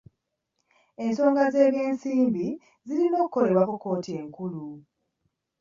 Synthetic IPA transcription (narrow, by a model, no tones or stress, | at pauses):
e̞nso̞ːŋɡaze̞ːβje̞ːnsiːmbi | zilino̞ːku̥kːo̞le̞βwakuko̞ːtie̞ŋkulu